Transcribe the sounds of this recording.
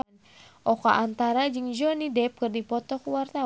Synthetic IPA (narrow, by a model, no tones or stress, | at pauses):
ʔɔkaʔant̪aɾad͡ʒɨŋd͡ʒɔnidɛp̚kɨrdipɔt̪ɔkuwart̪a